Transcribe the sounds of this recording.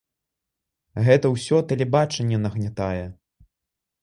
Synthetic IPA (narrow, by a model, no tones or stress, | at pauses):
ɣɛt̪ɐwsʲɔt̪ɛlʲɛbat͡ʂɐnʲːɛnɐɣnʲat̪ajɛ